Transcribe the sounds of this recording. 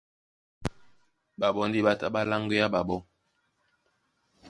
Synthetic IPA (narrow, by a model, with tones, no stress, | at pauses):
ba˨bɔ˨˦ndi˦ɓa˦ta˦ɓa˦la˦ŋɡe˦ja˦ba˨ɓɔ˦